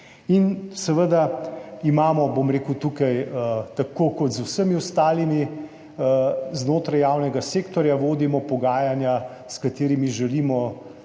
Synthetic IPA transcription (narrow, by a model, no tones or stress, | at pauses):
insɛʋəd̪aimaːmɔbomɾeːkut̪ukajət̪akokɔt̪zusəmiɔst̪aːlimi | znoːt̪ɾajaːwnɛɡaseːkt̪ɔɾjaʋoːd̪imɔpɔɡaːjanja | skat̪eːɾimiʒɛliːmɔ